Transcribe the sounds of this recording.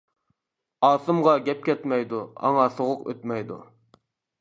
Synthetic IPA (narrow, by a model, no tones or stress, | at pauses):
ɑːsɨmʁɑɡʲɛp̚kʲɛt̪mɛjd̪uɑ̰ŋɑsoʁʊqø̰t̪mɛjd̪ṵ